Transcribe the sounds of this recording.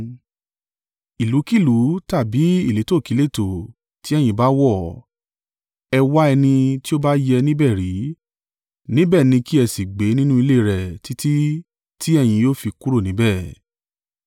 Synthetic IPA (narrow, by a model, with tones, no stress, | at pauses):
i˨lu˨˦ki˦˨lu˨˦ta˦˨bi˨˦i˦˨le˨˦to˦˨ki˨˦le˦˨to˨ | ti˨˦ɛ˦˨j̃ĩ˧ba˦wɔ˦˨ | ɛ˧wa˦ɛ˧nĩ˧ti˦o˦ba˦jɛ˧nĩ˦bɛ˦˨ɾi˨˦ | nĩ˦bɛ˦˨nĩ˧ki˦ɛ˧si˨ɡ͡be˨˦nĩ˦nũ˦i˧le˦˨ɾɛ˨ti˦ti˦ | ti˦ɛ˦˨j̃ĩ˧joː˦fi˧ku˦ɾo˦˨nĩ˨˦bɛ˦˨